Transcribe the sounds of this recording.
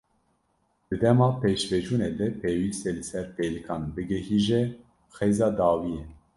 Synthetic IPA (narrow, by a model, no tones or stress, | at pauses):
d̪̥ɨd̪ɛmɑːpeːʃvɛd͡ʒuːneːd̪ɛpʰeːwiːst̪ɛlɨsɛɾpeːlɨkʰɑːnbɨɡɛhiːʒɛ | xeːzɑːd̪ɑːwiːjɛ